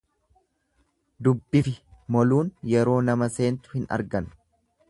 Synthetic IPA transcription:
d̪ʊbːɪfɪmɔluːnjɛɾo̞ːnɐmɐse̞ːnt̪ʊ̥hɪnɐ̰ɾɡɐn

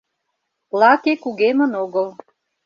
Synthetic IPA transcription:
lɑkekuɣemə̆noɣəl

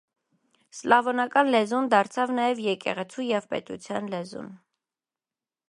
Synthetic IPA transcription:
slɑvɔnɑkɑnlɛzund̪ɑɾt͡sʰɑvnɑjɛvjɛkɛ̰ʁɛt͡sʰujɛvpɛ̰t̪ṵt͡sʰjɑnlɛzṵn

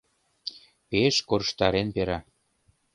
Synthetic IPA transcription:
peʃkoɾʃt̪ɑɾenpeɾɑ

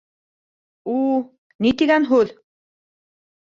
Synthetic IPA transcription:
u | nit̪iɣænɦʉl

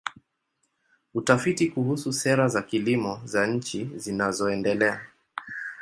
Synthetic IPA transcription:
utafitikuhususɛɾazakilimɔzaɲ̩t͡ʃizinazɔɛndɛlɛa

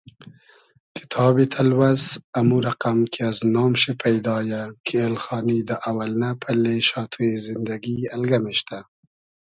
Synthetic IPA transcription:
kʰɪ̥t̪ʰɑːbit̪ʰalwazamuɾaqamkʰeaznɑːmʃepʰajd̪ɑːjakʰeelxɑːnid̪əʔawalnapʰəleʃɑːt̪ʰuezɪnd̪aɡialɡameʃt̪a

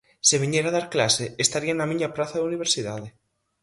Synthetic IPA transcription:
seβ̞iɲeɾaðaɾklaseest̪aɾianamĩɲaplaθaðuniβ̞eɾsiðaðe

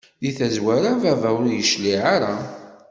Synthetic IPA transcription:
ðiθæzwæɾavævæwəɾjəʃliʕaɾa

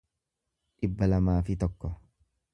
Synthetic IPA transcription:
ᶑɪbːɐlɐmaːfɪt̪ɔkːɔ

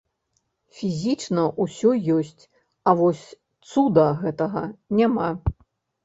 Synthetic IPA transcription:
fʲizʲit͡ʂnɐʔusʲɔjɔsʲt͡sʲ | ɐvɔsʲ | t̪sud̪ɐɣɛt̪ɐɣɐnʲama

